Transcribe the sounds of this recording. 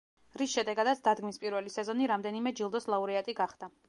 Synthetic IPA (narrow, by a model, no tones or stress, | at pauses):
ɾisʃɛd̪ɛɡad̪at̪sʰd̪ad̪ɡmispʼiɾvɛlisɛzɔniɾamd̪ɛnimɛd͡ʒilˠd̪ɔslˠauɾɛat̪ʼiɡaχd̪a